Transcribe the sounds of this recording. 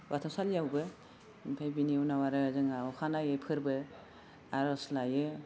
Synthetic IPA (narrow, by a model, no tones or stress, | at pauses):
watʰasaljawbɯ | mipʰajbiniunawaɾɯzɯŋaɔkʰanajɯpʰɯɾbɯ | aɾɔslajɯ